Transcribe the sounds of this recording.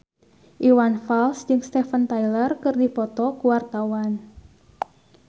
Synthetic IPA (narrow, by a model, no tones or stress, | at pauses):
ʔiwanfalsd͡ʒɨŋst̪ɛfənt̪ajlərkɨrdipɔt̪ɔkuwart̪awan